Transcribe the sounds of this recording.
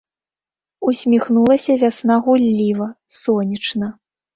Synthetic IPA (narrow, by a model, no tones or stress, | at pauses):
usʲmʲixnulˠɐsʲɐvʲasnaɣulʲːivɐ | sɔnʲit͡ʂnɐ